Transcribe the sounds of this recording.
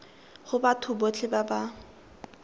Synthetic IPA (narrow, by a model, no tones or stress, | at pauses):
χʊbatʰʊbot͡ɬʰɪbaba